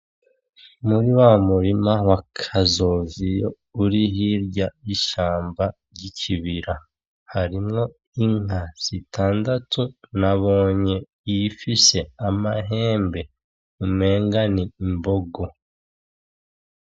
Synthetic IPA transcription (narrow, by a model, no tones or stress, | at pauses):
muɾiwamuɾimawakʰazoːzijo | uɾiɦiɾɟaiʃaːmbaɾɟicʰiβiɾa | haɾimŋo̞ | iŋ̥asitʰaːndatunaβo̞ːɲe̞ | ifise̞amaɦe̞ːmbe̞ | ume̞ːŋɡaniːmboɡo